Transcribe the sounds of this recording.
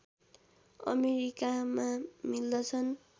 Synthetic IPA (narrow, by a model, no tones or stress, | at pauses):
ʌ̰meɾikamamild̪ʌt͡sʰʌn